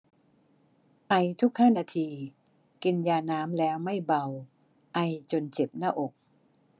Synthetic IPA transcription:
ʔa˧jt̪ʰu˦˥k̚haː˥˩naː˧t̪ʰiː˧ | ki˧njaː˧naː˦˥mlɛː˦˥wma˥˩jba˧w | ʔa˧jt͡ɕo˧nt͡ɕe˨˩p̚naː˥˩ʔo˨˩k̚

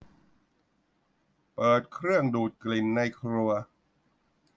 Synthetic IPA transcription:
pɤː˨˩t̪̚kʰɾɯ˥˩əŋduː˨˩t̪̚kli˨˩nːa˧jkʰɾu˧ɐ

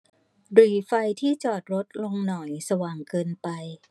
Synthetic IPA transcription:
ɾiː˨˩fa˧jt̪ʰiː˥˩t͡ɕɔː˨˩t̪̚ɾo˦˥t̪̚lo˧ŋnɔ˨˩jsa˧waː˨˩ŋkɤː˧npa˧j

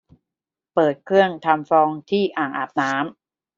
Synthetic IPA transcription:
pɤː˨˩t̪̚kʰɾɯ˥˩əŋt̪ʰa˧mfɔː˧ŋt̪ʰiː˥˩ʔaː˨˩ŋʔa̰ː˨˩p̚naː˦˥m

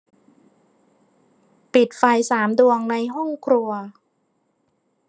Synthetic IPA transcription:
pi˨˩t̪̚fa˧jsaː˩˦mdu˧əŋna˧jɦɔ˥˩ŋkʰɾu˧ɐ

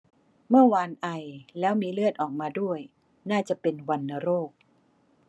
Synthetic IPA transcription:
mɯ˥˩ɐwaː˧nʔa˧jlɛː˦˥wmiː˧lɯ˥˩ət̪̚ʔɔː˨˩k̚maː˧du˥˩əj | naː˥˩t͡ɕa˨˩ʔpe˧nwa˧nːa˧ɾoː˥˩k̚

